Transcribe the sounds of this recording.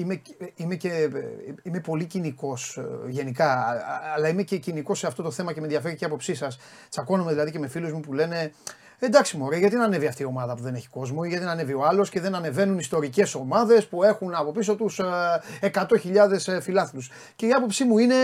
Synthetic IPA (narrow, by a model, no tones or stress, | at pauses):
imeime̞ce | ime̞po̞liciniko̞sʝe̞nikɐːlɐime̞ceciniko̞sːeɐft̪ot̪o̞θe̞mɐcemenðjɐfe̞ɾiceiɐpo̞psisɐs | t͡sɐko̞nomeðilɐðice̞me̞filuzmupule̞ne̞ | end̪ɐksimuo̞ɾeoʝɐt̪inɐne̞viɐft̪io̞mɐðɐpuðe̞ne̞çi̥ko̞zmoiʝɐt̪inɐne̞vio̞ɐlo̞sce̞ðe̞nɐne̞ve̞nunist̪o̞ɾice̞so̞mɐðe̞spue̞xunɐpo̞piso̞t̪usekɐt̪o̞çiʎɐðe̞sfilɐθilus | ce̞iɐpo̞psimuine̞